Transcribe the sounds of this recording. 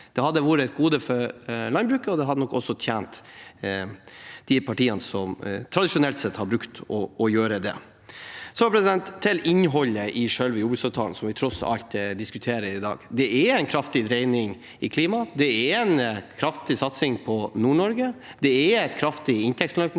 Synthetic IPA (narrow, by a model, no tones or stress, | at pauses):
d̪̥ɛhɑd̪ːəʋuːɾəɛt̪̚ɡuːd̪əfɔɾlɑnbɾʉːkəɔd̪ɛɦɑd̪ənɔkːɔsːɔt̪ʰjæːnt̪ | d̪̥ɪpʰɑʈiːənsɔmt̪ʰɾɑd̪ɪʂʊnɛlt̪sɛt̪ːhɑɾbɾʉkt̪ɔɔjøːɾəd̪ɛ̰ | sɔpʰɾɛsɪd̪ɛnt̪ʰːɪlɪnɦɔlːəʔɪʂœlʋəjuːbʉsɑʋt̪ʰɑːln̩sɔmʋɪt̪ʰɾɔsɑ̰ʎt̪d̪ɪskʉt̪ʰeːɾəɾɪd̪ɑ̰ːɡd̪ɛʔɛɾæɪnkʰɾɑft̪ɪd̪ɾeɪnɪŋ | ɪkʰliːmɑd̪ɛɛɾæɪnkʰɾɑft̪ɪsɑt̪sɪŋpʰɔnuːɳɔɾɡəd̪̥ɛɛæɪt̪kʰɾɑft̪ɪɪnt̪ʰɛkslœ